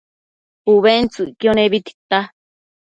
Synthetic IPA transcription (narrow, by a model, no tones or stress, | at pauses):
uβent͡suikjoneβit̪i̥t̪a